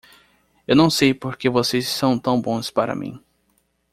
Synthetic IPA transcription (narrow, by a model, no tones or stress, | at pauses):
ewnɐ̃w̃sejpoɾkevosezːɐ̃w̃t̪ɐ̃w̃bõspaɾɐ̰mḭ̃